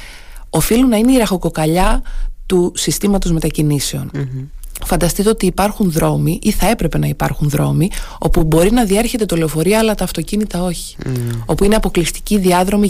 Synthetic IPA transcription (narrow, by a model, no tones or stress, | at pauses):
o̞filunɐineiɾɐxo̞ko̞kɐʎɐt̪usist̪imɐt̪ozme̞t̪ɐcinise̞o̞n | fɐnd̪ɐst̪it̪eo̞t̪iːpɐɾxunðɾo̞miʔiθɐe̞pɾe̞pe̞nɐipɐ̰ɾxunðɾo̞mio̞̰pubo̞ɾinɐðie̞ɾçe̞t̪e̞t̪o̞le̞ofo̞ɾiɐːlɐt̪ɐːft̪o̞cinit̪ɐo̞çi̥o̞puine̞ɐpo̞klist̪i̥ciðiɐðɾo̞mi